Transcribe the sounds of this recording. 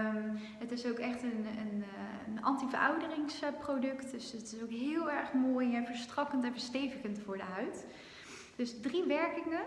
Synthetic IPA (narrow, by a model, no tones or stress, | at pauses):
m | ɦətɪsowkɛχtənən | nɑ̰ntivəɹʔɑ̰wdərɪŋsəprowdɵktdɵsətɪsowkɦɪːlˠɛɹχmoːjjəvəɹstrɑkəntɛ̃vəɹstejvəkəntfʊːɹdəɦœɥt | d̥ɵsdriʋɛɹkɪŋə